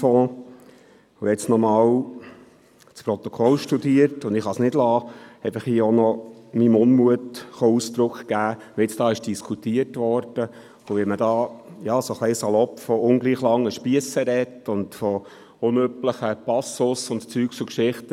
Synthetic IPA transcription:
foː | ʊɛt͡snɔmɑːw | t͡spɾɔt̪ɔkʰɔlʃtudiːəɾtʊndɪχhɑsnɪdlɑːɛɪfəχhiːonɔmimʊnmuətχoust̪ɾʊkχkæː | ɛt͡sd̥ɑːɪʃd̥iskʰutiəɾtʋɔɾd̥ə | ʊʋɛmədɑːjɑːsoχlɛɪsɑlɔpfɔʊŋɡliːχlɑŋːəʃpiəsəɾɛtʊndfɔ | ʊnøpləχəpɑsʊsʊntt͡syːksukʃɪχtə

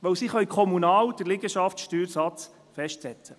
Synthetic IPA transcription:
ʋœwsiχœjkʰɔmunɑːwd̥əɾlɪɡəʃɑftʃtyːɾsɑt͡s | fɛʃtsɛt͡sə

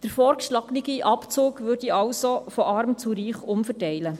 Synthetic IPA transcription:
d̥əɾfɔːɾkʃlɑɡniɡiʔɑpt͡suːkʋʏɾdiɑwsofɔʔɑɾmt͡suɾiːχʊmfəɾtɛɪlə

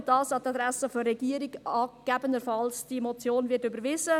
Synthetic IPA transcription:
d̥ɑːsɑt̪ɑd̪ɾæsəfɔːɛɡ̥iəɾiɡɑːɡ̥æbənəɾfɑlsd̥imɔt͡sjoːnvɪtybəɾʋɪzə

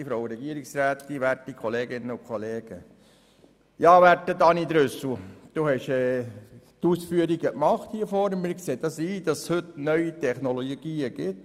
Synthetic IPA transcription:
ifɾoʊɾɛɡiəɾiksɾæːtːiʋæɾtikʰχoleːɡɪnːəʊnkχoleːɡ̥ə | jɑːʋætːədɑniːd̪ɾʏsl̩d̪̥uːhɛʃɛːtuːsfyəɾiɡəkmɑχthiːəfɔːɾmɪɾkseːd̥ɑsiːd̥ɑshɵtnœʏitʰɛχnoloɡ̥iːəɡ̥ɪt

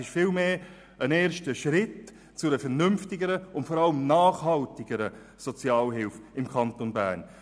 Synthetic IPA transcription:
ɪʃfɪːlmeː | əneːɾʃtəʃɾɪt | t͡sʊdəfɛɾnʏmftɪɡəɾəʊntfɔɾɑləmnaːχhɑltɪɡəɾə | sɔt͡sjɑːlɦɪlfɪmkʰɑntonbæ̰ːn

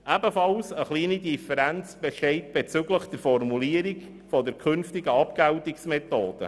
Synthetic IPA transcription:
ʔæbəfɑlsəχliːnidifəɾænt͡sb̥ɛʃtɛɪt̚b̥ɛt͡syɡləχd̥ɛɾfɔrmuliːəɾik | fɔdəɾkʰʏnftɪɡəɑpɡ̥æwtiksmɛt̪oːd̥ə̰

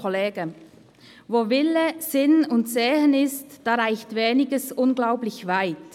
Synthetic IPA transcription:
ɔleːɡə | voːvɪləzɪnʊntseːhənɪstd̥aːʁaɪçtveːnɪɡəsʔʊnɡlaʊplɪçvaɪt

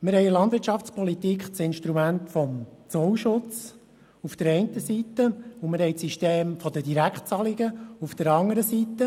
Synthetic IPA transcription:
mɪɾɦɛjlɑnd̪vɪɾtt͡ʃɑft͡spʰɔlit̪ikχt͡sɪnʃt̪ɾumæntfɔmt͡sɔwʃʊt͡s | ufd̪̥əɾɛɪntəsit̪ːəʊmɪɾɦhɛjt͡siʃteːmfɔd̪ədiɾækχt͡sɑliɡəufd̥̪əɾɑŋəɾəsit̪ːə

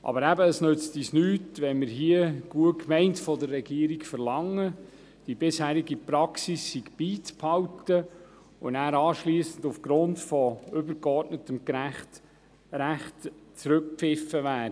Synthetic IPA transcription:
ʔɑ̰bəɾæbəːsnøt͡stisnyːtʋɛnmɪɾɦiəɡ̥uəkʰmɛɪntfɔdərːɛɡiːɾikfəɾlɑŋːə | d̥ibɪshæːɾiɡipɾɑksisːiɡb̥iːt͡sphɑwtə | ʊnæːɾɑːʃliːəsən̩dufɡ̥ɾʊndfɔʏbəɾɡɔrtnətəmɡɾæχt | ɾæχtt͡sɾɵk̚pfɪfəʋæː

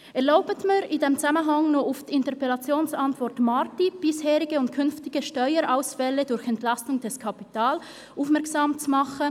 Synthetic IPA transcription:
ɛɐlaʊbətmaɾɪndemt͡samənɦɑŋnuufd̥ɪntəpɛlɑt͡sjoːnsɑntv̥ɔɾtmɑɾtib̥ɪshɛːɾɪɡəʊnt̚kʰʏnftɪɡ̥əʃtœʏəɾʔaʊsfɛlədʊɾçɛntlɑstʊŋd̥ɛskʰɑpitaːl | ʔufmɛɐɾksɑːmt͡sumɑχə

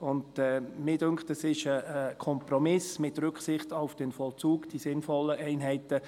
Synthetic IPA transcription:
ʊndɛmɪdøŋktɛsɪʃəəkʰɔmprɔmɪsmɪtɾʏksɪχtaʊfd̥ɛnfɔlt͡suːɡd̥isɪnfɔlːəʔɛɪnɦɛɪtə

